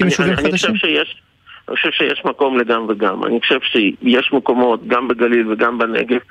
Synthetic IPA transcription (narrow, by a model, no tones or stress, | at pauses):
ianixoʃevʃejeʃ | nḭxoʃevʃejeʃmako̞mleɡamveɡama̰nixoʃevʃejeʃmeko̞mo̞t̪ɡambeɡalilveɡambenḛɡev